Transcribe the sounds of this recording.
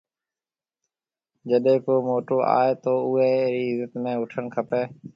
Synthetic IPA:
d͡ʒəɗẽːkoːmoːʈoːʔa̰ːeːt̪oːʊɦeːɾiːzət̪mẽːʊʈʰəɳkʰəpeː

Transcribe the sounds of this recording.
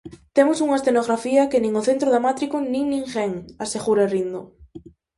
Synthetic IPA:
t̪emʊsuŋɐesθenoɣɾafiɐkenĩŋoθent̪ɾoʊðamat̪ɾikonĩŋnĩŋxɛŋaseɣuɾaerind̪o

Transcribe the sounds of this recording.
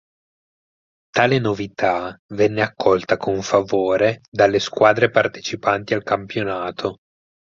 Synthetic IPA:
t̪aːlenovit̪avɛnːeakʰːɔlt̪akʰoɱfavoːɾed̪alːeskwaːd̪ɾepart̪e̥t͡ʃipant̪ialkampjonaːt̪ʰo

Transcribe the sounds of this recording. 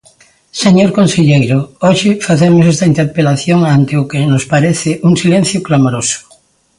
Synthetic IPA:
seɲoɾkonseʎejɾʊoʃɪfaθemʊsɛst̪aint̪eɾpelaθjoŋant̪ɪʊkɪnʊspaɾeθɪʔuŋsilẽn̟θjʊklamoɾosʊ̥

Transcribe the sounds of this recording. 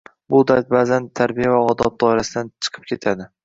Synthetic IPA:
bʊd̪at̪̚bazant̪ʰaɾbijavaɒd̪ɒb̚d̪ɒɪɾasɪd̪ant͡ʃʰɨ̥qʰɨ̥p̚kʲʰe̞t̪ʰad̪ɪ

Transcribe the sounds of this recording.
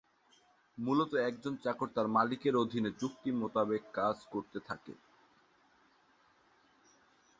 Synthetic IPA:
mulot̪oɛk̚d͡ʑont͡ɕakoɾt̪aɾmalikeɾod̪ʱinet͡ɕuk̚t̪imot̪abekːad͡ʑkoɾt̪et̪ʰa̰kḛ

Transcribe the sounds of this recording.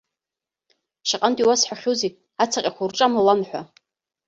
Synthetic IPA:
ʃaqʼantʼiwasħʷᶣaχʲowze | at͡sʰaqʲʼakʷʰarʈ͡ʂʼamalanħʷa

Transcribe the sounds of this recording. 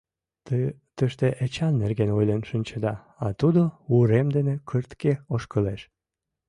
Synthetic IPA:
t̪øʃt̪eʔet͡ɕɑnːerɣenojlenʃənʲt͡ɕəd̪ɑ | ɑt̪ud̪ouɾemd̪enekʰərt̪keoʃkəleʃ

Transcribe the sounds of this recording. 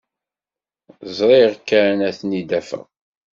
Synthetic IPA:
zˤɾˤeʁkːæɾnæθnid̪æfə̰ʁ

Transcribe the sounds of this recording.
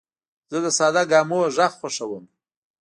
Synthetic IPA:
z̥əd̪əsɑd̪aɡɑmoʒaxxaʂawəm

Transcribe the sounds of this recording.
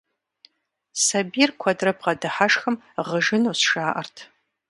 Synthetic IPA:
sɐbiːrkʷʰɐdrɐp̚ʰqɐdɨħaʂxɐm | ʁəʒɨnuːsʃaːʔɐrtʰ

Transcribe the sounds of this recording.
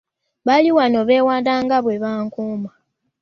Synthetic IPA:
βaliwano̞βe̞ːwaːndaːŋɡaβwe̞βaːŋkuːma

